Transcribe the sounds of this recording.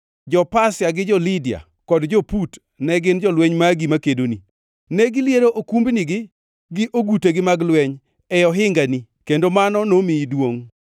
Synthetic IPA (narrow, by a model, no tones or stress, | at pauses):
d͡ʒɔpasjaɡɪd͡ʒɔlidia̰ | kɔdd͡ʒoput | nɛɡɪnd͡ʒɔlweɲmaɡimakedoni | nɛɡɪljeɾoʔokumbniɡɪ | ɡɪʔoɡuteɡɪmaɡlwɛɲ | ɛjɔɦɪŋɡani | kendomanɔnomɪdwoŋ